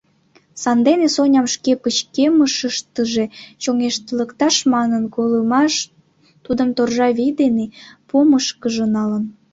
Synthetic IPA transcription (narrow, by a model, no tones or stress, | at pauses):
sɑnd̪enesonʲɑmʃkepət͡ɕkeməʃəʃt̪əʒet͡ɕoŋeʃt̪ələkt̪ɑʃmɑnənkoləmɑʃ | t̪ud̪əmt̪orʒɑβid̪enepoməʃkəʒənɑlən